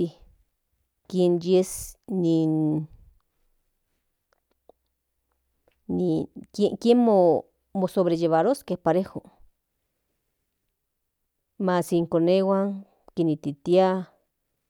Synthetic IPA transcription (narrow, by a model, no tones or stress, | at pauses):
i | kjenjesni | nikekjenmo | mosoβɾejeβaɾoskehpaɾexo | masiŋkonewaŋ | kenit̪it̪ja